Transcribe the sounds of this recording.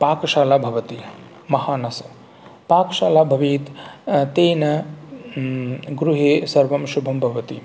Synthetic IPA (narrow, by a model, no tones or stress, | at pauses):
paːkʃaːlaːbʱɐʋɐt̪i | mɐhaːnɐsɐ̥ | paːkʃaːlaːbʱɐʋiːt̪t̪eːnɐ | ɡɾuɦeːsɐɾʋɐmʃubʱɐmbʱɐʋɐt̪ḭ